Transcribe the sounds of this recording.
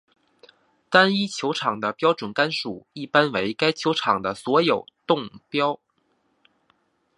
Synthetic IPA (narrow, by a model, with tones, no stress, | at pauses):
t̪a˥ni˥t͡ɕʰjo˧˥ʊʈ͡ʂʰɑ˨˩ŋd̪ə˦pjɑ˥ʊʈ͡ʂwə˨˩nka˥nʂu˨˩i˥˩pa˥nwe˧˥ɪka˥ɪt͡ɕʰjo˧˥ʊʈ͡ʂʰɑ˨˩ŋd̪ə˦swɔ˧˥jo˨˩ʊt̪ʊ˥˩ŋpjɑ˥ʊ